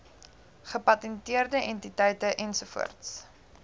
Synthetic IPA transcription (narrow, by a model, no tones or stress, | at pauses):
χəpɐtɛntiərdəʔɛntitɐjtəʔɛnsufṵərts